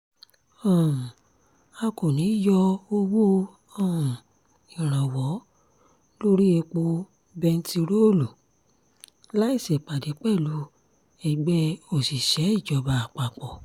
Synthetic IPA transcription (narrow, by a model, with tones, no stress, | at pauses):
ɔ̃˦˨ | a˧ko˨nĩ˨˦jɔ˧o˧wo˦ | ɔ̃˦˨ | ĩ˨ɾ̃ã˨wɔ˨˦ | lo˦ɾi˦e˧k͡po˧ | bɛ˧n̩˦ti˧ɾo˦˨lu˨ | la˦i˦˨sɛ˨k͡pa˨de˨˦k͡pɛ˦˨lu˨˦ | ɛ˧˨ɡ͡bɛ˦o˦˨si˨ʃɛ˨˦i˦˨d͡ʒɔ˨˧ba˨k͡pa˨k͡pɔ˨